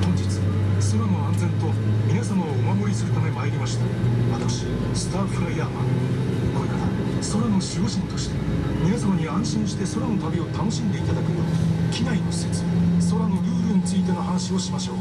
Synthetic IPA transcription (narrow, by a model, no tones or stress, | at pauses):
hõ̞ɲ̟d͡ʑit͡sɨ̥ | soɾano̞ãnd͡zẽ̞nt̪o̞mʲinasamaoːmaɡoɾisɨɾɯ̟t̪ame̞maːɾʲimaɕi̥t̪a | βat̪akɕi | sɨ̥t̪aːɸɾaiamakoinad̪aso̞ɾano̞ɕio̞ɕĩnt̪o̞ɕi̥t̪e̞mʲinasamaɲ̟iãɰ̃ɕĩɰ̃ɕi̥t̪e̞so̞ɾano̞t̪abʲio̞t̪ano̞ɕĩnd̪e̞it̪ad̪akɯ̟joːnikʲiɡ̪aino̞ɕit͡sɨ̥so̞ɾano̞jʲɯːɾɯɲ̟it͡sɨit̪̬enohanaɕio̞ɕimaɕo̞ː